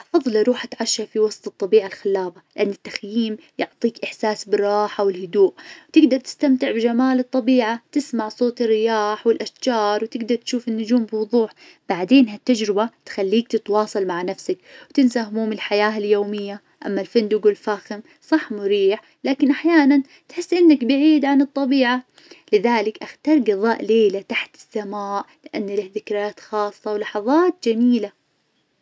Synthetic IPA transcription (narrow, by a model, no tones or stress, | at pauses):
ʔɑfɑðˤːliɾˤuːħʔat̪ʕaʃːafiwɑsˤt̪ˤɨt̪ˤːɑbiːʕalxɪlːaːbalɪʔanːɪt̪ːaxjiːm | jʊʕt̪ˤiːkʔɪħsaːsbɪrˤɑːħawɪlhʊd̪uːʔt̪ɪɡd̪ɑɾˤt̪ɪ̥st̪amt̪ɪʕbɪd͡ʒamaːlɨt̪ˤːɑbiːʕat̪ɪsmaʕsˤoːt̪ɪrːɪjaːħwɪlʔaʃd͡ʒɑːɾˤwt̪ɪɡd̪ɑɾˤt̪ʃuːfɪnːʊd͡ʒuːmbɪwʊðˤuːħ | b̥aʕd̪eːnɦat̪ːad͡ʒɾɪbat̪xalːiːk̚t̪ɪt̪wɑːsˤɑlmaʕnafsakwt̪ɪnsahʊmuːmɪlħajaːɪljoːmɪjːa | ʔa̰mːalfɪnd̪ʊɡwɪlfaːxɪm | sˤɑħːmʊɾiːħ | laːkɪnʔaħjaːnan | t̪ħɪsːʔɪnːakbɪʕiːd̪ʕanɨt̪ˤːɑbiːʕa | lɪðaːlɪkʔaxt̪ɑːɾˤɡɨðˤɑːʔleːlat̪aħt̪ɪ̥sːamaːʔlɪʔanːlahðɪkɾjaːt̪xɑːsˤːɑwlɑħɑðˤɑːt̪̚d͡ʒamiːla